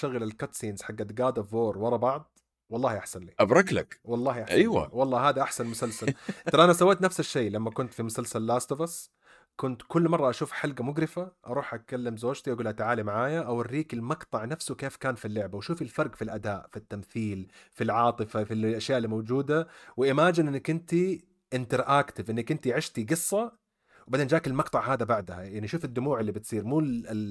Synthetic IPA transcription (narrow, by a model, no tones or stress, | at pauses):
ʃaɣɪlalkat̪siːnz̥ħaɡːad̪ɡaːd̪avoːɾˤwɑɾˤɑbɑʕd̪ˤ | wɑlˤːɑːhʔaħsanliːʔabɾˤɑkla̰kwɑlˤːɑːhʔaʔajwa̰wɑlˤːɑːɦaːd̪aʔaħsanmʊsalsalɑlʔanasawːeːt̪nafsaʃːeːlamːakʊnt̪fimʊsalsalːaːst̪bas | kʊnt̪kʊlːmɑrˤːɑʔaʃuːfħalɡamʊɡɾɪfaʔɑ̰ɾˤuːħʔakalːɪmzoːd͡ʒt̪iʔaɡuːlʔat̪aʕaːlimaʕaːjaʔawarːiːkɪlmɑqt̪ˤɑʕnafsʊkeːfkaːnfilːʊʕbawʃuːfilfɑɾˤɡfilʔad̪aːʔfit̪ːamθiːlfilʕɑːt̪ˤɨfafilʔaʃjaːʔɪlːimowd͡ʒuːd̪awɪʔɪmaːd͡ʒɪnʔɪnːakʔɪnt̪i | ʔɪnt̪ɑɾʔaːkt̪ɪvʔɪnːakʔɪnt̪iʕɪʃt̪iɡɨsˤːɑ | wbad̪eːnd͡ʒaːʔkɪlmɑqt̪ˤɑʕhaːd̪abaʕd̪ahajaʕniʃuːfɪd̪ːʊmuːʕɪlːibɪt̪sˤiːɾmuːl